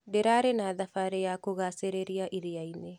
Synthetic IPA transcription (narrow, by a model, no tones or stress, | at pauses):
deɾaɾenaðafaɾejakoɣaseɾeɾiaʔiɾiaine